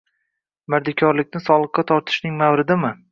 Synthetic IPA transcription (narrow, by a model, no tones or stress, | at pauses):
mɪɾd̪ɪkʲʰɒɾlɪkʲnɪsɒlˠɨqːɑt̪ʰɒɾt̪ʰɪ̥ʃnɪŋmawɾɪd̪ɪmɪ